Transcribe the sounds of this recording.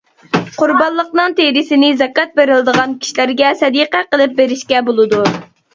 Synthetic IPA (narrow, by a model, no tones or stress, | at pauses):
qʰʊɾbɑlˠːəqnɨŋt̪ʰeɾɪsɪnɪzɛkɑt̪̚beɾɪlˠɪd̪əʁɑnkʲʰi̥ʃilæɾɡʲɛsɛd̪iqæqəlˠɨp̚beɾɪʃkʲɛbolˠɨd̪u